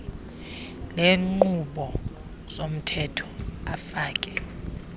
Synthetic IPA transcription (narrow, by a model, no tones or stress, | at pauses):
leːŋ͡ǃuɓɔ | sʼom̩tʰɛtʰɔ̥afaːkʼɛ